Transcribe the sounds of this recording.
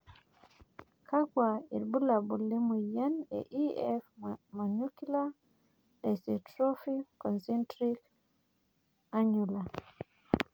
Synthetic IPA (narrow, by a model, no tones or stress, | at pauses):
kaɡwailbulabulːemujanɛ̰ʔiɛfmanukila | dɛsitɾofikɔnsɛntɾik | aɲula